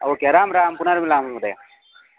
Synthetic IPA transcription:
ɐ̰okeɐɾaːmɾaːmkunɐɾmilaːmɐmud̪ɐja

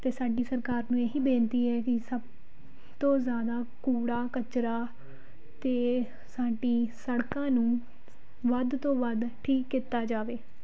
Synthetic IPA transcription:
t̪eːsaːɖiːsəɾkaːɾnũːeːɦiːbẽːnt̪iːɛːkɪsəb̚ | t̪õːzjaːd̪aː | kuːɽaːkət͡ʃɾaː | t̪eː | saːɖiːsəɽkãːnũː | ʋəd̪t̪õːʋəd̪ʈʰiːkːit̪aːd͡ʒaːʋeː

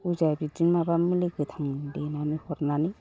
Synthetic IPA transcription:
ud͡ʒajbid͡ʒinmabamiliɡɯt̪ʰaŋdenanihɔɾnani

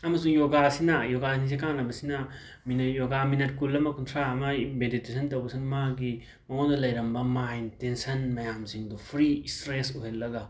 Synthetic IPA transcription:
ɐmɐsuŋjoɡasinɐjoɡasinis̬ikaŋlɐbɐsinɐ | minjoɡaminɐt̚kulːɐmɐkuntʰɾaɐmɐbeditesʰɐntɐwbɐsinmaɡi | mɐondɐlɐjɾɐmbɐmajntensɐnmɐjamziŋdupʰɾistɾesuɦelːɐɡɐ

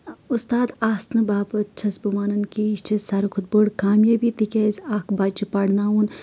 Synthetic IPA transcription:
ust̪aːd̪aːsnɨbaːbɨt͡ʃʰɐsbumaːnɐnkiiʃt͡ʃʰisaɾɨkʰud̪̚bəɽkaːmjebit̪ikʲezʲaːkbaːt͡ʃipɐɽnaːun

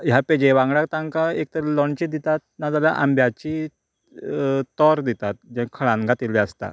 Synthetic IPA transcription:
japed͡ʑeʋãŋɡɽakt̪ãŋkaek̚t̪əɾelɔɳt͡ɕiːd̪it̪at̪̚nad͡zalaʔa̰mbjat͡ɕiː | t̪ɔɾd̪it̪at̪̚d͡ʑɛ̃kʰəɭãnɡʱat̪iliəst̪a̰

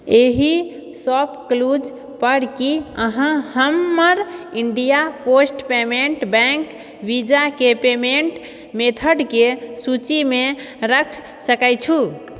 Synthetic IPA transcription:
eɦi | sɔpʰklud͡ʒ | pəɽkiəɦãhəmːəɾiɳɖijaposʈpemeɳʈbɛ̃ŋk | bid͡ʒakepemeɳʈ | met̪ʰəɖkesut͡ʃime | ɾəkʰ | səkəjt͡ʃʰu

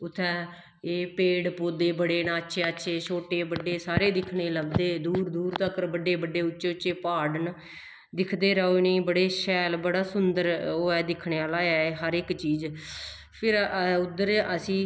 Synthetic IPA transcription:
ʊt̪ʰːɛː | eːpeːɽpoːd̪eːbəɽeːnãːətːʃʰeːətːʃʰeːt͡ʃʰoːʈeːbəɖeːsaːɾeːd̪ɪkʰɳeːləɡd̪eːd̪uːɾd̪uːɾt̪əkəɾbəɖeːbəɖeːʊt͡ʃːʃeːʊt͡ʃːt͡ʃeːpaːɽn | d̪ɪkʰd̪eːɾəːonĩːbəɽeːʃɛːlbəɽaːsʊnd̪əɾoːɛːd̪ɪkʰɳeːaːlaːɛːɦəɾɪkt͡ʃiːz | pʰɪɾʊd̪əɾəsĩː

